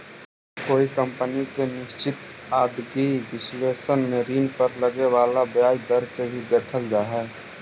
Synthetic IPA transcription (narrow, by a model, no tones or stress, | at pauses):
koːikəmpənikenɪst͡ʃɪt̪ | aːd̪ɡiʋɪsleːsənmeɾiːnpəɾləɡeʋaːlabjaːjd̪əɾkebʱid̪eːkʰəld͡ʒaːɦɛː